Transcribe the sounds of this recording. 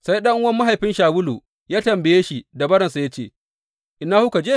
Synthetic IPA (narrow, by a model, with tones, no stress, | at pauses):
sa˦jɗɐ˦ŋʔʊ˦wɐ˦mːa˦ɦa˨jɸɪ˦nʃaː˨wʊ˦lu˨ | jaː˦tɐ˨mbɪ˨jeː˦ʃi˨da˨bɐ˦ɽɐ˨nsa˨ja˦t͡ʃeː˦˨ | ʔɪ˨nːaː˦hu˦ka˨d͡ʒeː˦